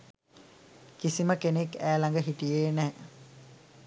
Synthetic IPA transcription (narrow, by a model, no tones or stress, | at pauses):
kisiməkenekːæːlaŋɡəɦiʈijeːnɛː